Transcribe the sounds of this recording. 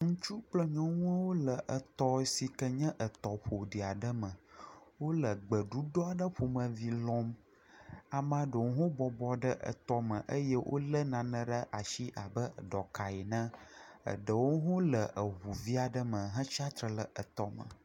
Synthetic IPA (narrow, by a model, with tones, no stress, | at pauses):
ŋũ˦t͡ʃu˦k͡plə˦ɲɔ̃˦ŋũ˦a˦wo˦lə˨ʔə˨t̪ɔ˦si˨kə˦ɲɛ̃˦ʔə˨t̪ɔ˨ɸo˨ɖi˨a˨ɖə˦mə̃˨wo˦lə˨ɡ͡bə˨ɖu˦ɖɔ˦a˨ɖə˦ɸo˨mə̃˨vi˦lɔ̃˦m | a˨mã˨˦ɖə˨wõ˦ɦõ˦bɔ˨bɔ˨ɖə˦ʔə̰˨t̪ɔ˦mə̃˨ʔə˦jə˦wʔo̰˦lə˦nã˨nə̃˦ɖə˦ʔa˨ʃi˦ʔa˨bə˦˨ɖɔ˨ka˨ji˨nə̃˦ə̰˨ɖə˨wo˦ɦõ˦lə˨ʔə˨ɦu˨vi˦a˨ɖə˦mə̃˨ɦə̃˦t͡ʃa˦t̪ɾə˨lə˨ʔə˨t̪ɔ˨mə̰̃˨